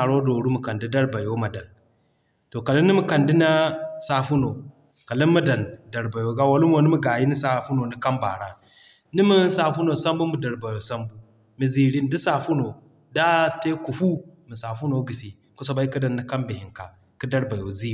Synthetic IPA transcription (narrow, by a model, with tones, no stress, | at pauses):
a˨ɾo˦do˨ɾu˦mu˨ka˨ndi˦da˦ɾba˨jo˦ma˨da˨n | to˨ka˨li˦nːi˦mi˨ka˨ndi˦na˦sa˦fu˦no˨ | ka˨li˦nma˦da˨nda˨ɾba˨jo˨ɡa˦wa˨lu˦m˦o˦ni˦mi˦ɡa˨ji˦ni˦sa˦fu˦no˨ni˦ka˦mba̰˨ɾa˦ | ni˦mi˦sa˨fu˦no˨sa˦mbu˦mi˨da˨ɾba˨jo˨sa˦mbu˦ | mi˨zi˨ɾi˦n˦di˦sa˨fu˦no˨ | da˦te˦ku˨fu˦mi˨sa˨fu˦no˨˦ɡi˨si˨ | ku˦so˨ba˦i˦ki˦da˨nːi˦ka˦mbi˨hi˨ŋka˨ | ki˦da˦ɾba˨jo˨zi˦˨